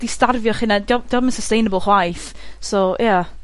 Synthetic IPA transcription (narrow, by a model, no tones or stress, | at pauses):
d̥istarvjɔχɪnadjɔd̥ɔmənsəstejnəbəlˠχwajθ | sojʔa